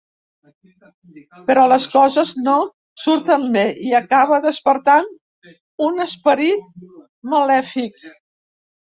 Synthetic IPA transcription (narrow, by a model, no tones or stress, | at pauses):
pəɾɔləskɔzəzno | suɾt̪əmbeʔiəkaβ̞əðəspəɾt̪an | unəspəɾit̪̚ | məlɛfik̚